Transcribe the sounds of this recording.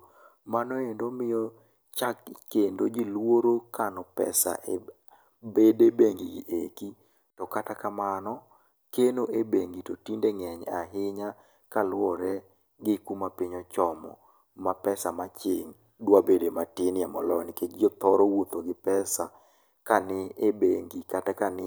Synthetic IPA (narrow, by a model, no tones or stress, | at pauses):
manɔendomɪjɔ | t͡ʃakkːendod͡ʒilwoɾokanɔpɛ̰sa̰ʔe | bedebeŋɡiɡiʔeki | tɔkatakamanɔ | kenoʔebeŋɡitotindeŋɛɲaɦɪɲa | kalwɔɾɛ | ɡɪkumapiɲɔt͡ʃɔmɔ̰ | mapɛsamat͡ʃɪŋ | dwabedematɪnɪamɔlɔnɪked͡ʒiot̪ɔɾɔwot̪oɡɪpɛsa | kanɪebeŋɡikatakanɪ